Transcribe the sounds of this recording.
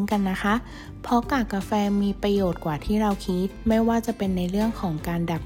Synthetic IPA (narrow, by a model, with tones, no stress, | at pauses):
nka˧nːa˦˥kʰa˦˥ʔ | pʰɔ˦˥kaː˨˩kːa˧fɛː˧miː˧pɾa˧joː˨˩t̪̚kwaː˨˩t̪ʰiː˥˩ɾa˧wkʰi˦˥t̪̚ma˥˩jwaː˥˩t͡ɕa˨˩pe˧nːa˧jɾɯ˥˩əŋkʰɔː˩˦ŋkaː˧nda˨˩p̚